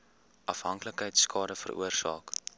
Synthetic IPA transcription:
ʔɐfɦɐŋkləkɦəjtskɑːɾəfə̰rʔṵərsɑːk

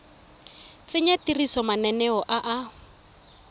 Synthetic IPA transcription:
t͡sɪɲatirisɔmanɛnɛɔʔaʔa

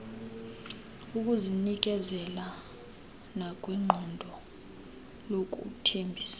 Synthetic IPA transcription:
uk̬ʼuzinik̬ɛzɛla | nak̬ʼwiŋ͡ǃʱɔndʱɔ | lok̬ʼṵk̬ʼutʰembʱiːsḁ

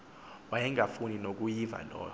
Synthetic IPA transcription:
wajɛŋafuninok̬ujiva̰nɔ̰ːj

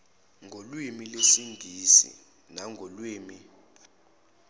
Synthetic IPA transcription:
ŋʱolwimilesiŋɡʱisḭ | naŋɡʱolwiːmi

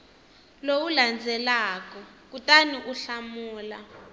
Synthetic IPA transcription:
lowuland͡zʱɛlaːkɔ | k̬utʼaniʔuɬamuːla

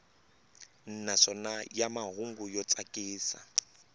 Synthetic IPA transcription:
n̩naʂɔnajamaɦuŋɡujɔt͡sʼakʼiːsa̰

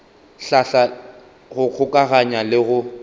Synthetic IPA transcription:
ɬaɬa | ɣʊk͡xʰʊkʼaɣaɲalɪɣʊ

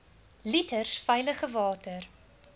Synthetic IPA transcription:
litərsfɛjləχəvɑːtər

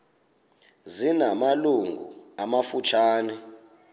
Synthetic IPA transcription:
zinamaluŋɡʱṵamafut͡ʃʰaːnɛ

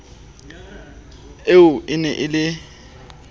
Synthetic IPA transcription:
eʊʔɪnɛʔɪlɪ

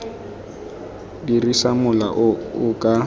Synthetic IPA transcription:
dirisamʊla̰ʔʊkʼa

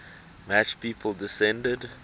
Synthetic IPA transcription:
mæt͡ʃpiːpʰəlˠdɪsɛ̃ndəd

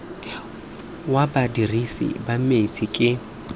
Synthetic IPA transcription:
wabadirisḭbamet͡sʰʼikʼɪ

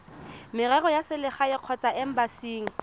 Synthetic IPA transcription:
mɪrɛɣɔjasɪlɪχaɪq͡χʰɔt͡sʼaʔɪm̩basiːŋ̩

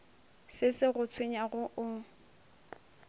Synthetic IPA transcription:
sɪsɪɣʊt͡sʰweɲaɣʊʔʊ

